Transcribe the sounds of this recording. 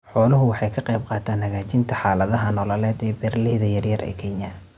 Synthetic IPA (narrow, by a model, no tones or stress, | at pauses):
ħɔːlʊɦʊwɑħɑjkʰɐqɛjbqɑːt̪ʰaːnhɐɣaːt͡ʃɪnt̪ʰɐħɑːlɐðɐɦɐnɔːlɐlɛːd̪ɛːbɛrlɪhðɐjɐrjɐrʔɛ̰ːkʰɛnjɐ